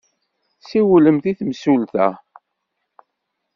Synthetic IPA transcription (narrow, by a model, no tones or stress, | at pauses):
siwləmθiθmsulθæ